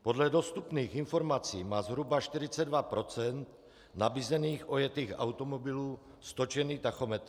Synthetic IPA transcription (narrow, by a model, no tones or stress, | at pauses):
po̞dlɛdost̪upniːxɪnfo̞ɾmat͡siːmaːzɦɾubaʃt̪ɪɾɪt͡sɛdvapɾo̞t͡sɛnt̪ | nabiːzɛniːxʔo̞jɛt̪iːxʔa̰wt̪omobɪluː | st̪ot͡ʃɛniːt̪axomɛt̪ɾ